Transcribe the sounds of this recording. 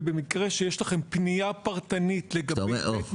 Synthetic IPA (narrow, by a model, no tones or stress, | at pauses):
bemikʁe̞ʃejeʃlaχe̞mpnijapaʁt̪anit̪leɡaoḛʔo